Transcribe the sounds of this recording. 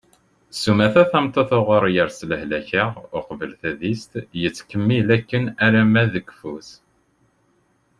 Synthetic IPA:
sumæθæθæmt̪ˤːɑθoʁʊɾˤjəɾsləhlæçəʁʊqvəlθæðist̪jət͡sːkəmːilækːənæɾæmæðəkːfus

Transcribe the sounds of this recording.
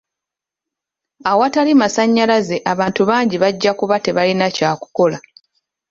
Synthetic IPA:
awatalimasaɲːalaze̞ʔaβaːntuβaːɲɟiβaɟːakuβate̞βalinacaːku̥ko̞la

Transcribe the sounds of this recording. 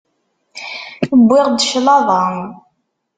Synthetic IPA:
əbːɪʁd̪əʃlɑðˤɑ

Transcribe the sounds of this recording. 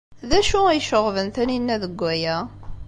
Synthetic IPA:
ðæʃuijʃəʁvənθæninːæðəɡʷːæjæ

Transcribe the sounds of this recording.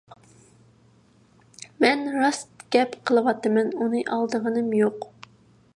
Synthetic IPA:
mɛnɾɑst̪ɡ̥ʲɛpqʰəlˠɨwɑt̪ːɨmɛnunɨʔɑlˠd̪əʁənɨmjoq

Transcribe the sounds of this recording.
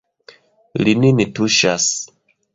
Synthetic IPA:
lininituʃas

